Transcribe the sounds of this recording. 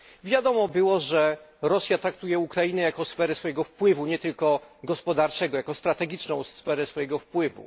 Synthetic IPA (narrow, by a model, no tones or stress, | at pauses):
vʲjad̪ɔmɔbɘwɔʐɛɾɔsʲjat̪ɾakt̪ujɛukɾajinɛjakɔsfɛɾɛsfɔjɛɡɔfpwɘvuɲɛt̪ɘlkɔɡɔspɔd̪aɾt͡ʂɛɡɔjakɔst̪ɾat̪ɛɡʲit͡ʂnɔ̃w̃sfɛɾɛsfɔjɛɡɔfpwɘvṵ